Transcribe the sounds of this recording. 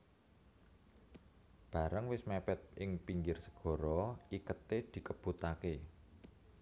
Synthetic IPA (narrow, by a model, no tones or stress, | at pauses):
b̥a̤ɾəŋwɪsmɛpɛt̪̚ʔɪŋpiɲd͡ʒɪrsə̥ɡ̥ɔ̤ɾɔʔikət̪ed̪̥i̤kəb̥ut̪ake